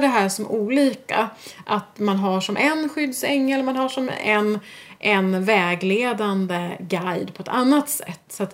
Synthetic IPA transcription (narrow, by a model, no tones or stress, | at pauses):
ɖɛɦæːʂɔmʔuːliːka̰ʔat̪manɦaʂɔmʔɛnɧʏd̪sɛŋːɛlmanɦaʂɔmɛ̰n | ʔɛnvɛːɡleːd̪and̪əɡajd̪pʰɔɛt̪anːat̪sɛ̰t̪ːsat̪